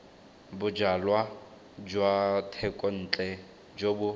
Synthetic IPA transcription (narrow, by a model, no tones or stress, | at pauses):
bʊd͡ʒalwa | d͡ʒwatʰɛkʼɔn̩t͡ɬʼɛ | d͡ʒobʊ